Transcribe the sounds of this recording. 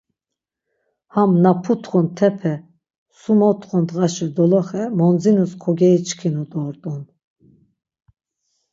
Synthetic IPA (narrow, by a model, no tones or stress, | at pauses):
hamnapʰut̪ʰχunt̪ʰɛpʰɛ | sumɔt̪ʰʼχund̪ʁaʃɛd̪ɔlɔχɛmɔnd͡zinuskʰɔɡɛit͡ʃkʰinud̪ʼɔɾt̪ʼun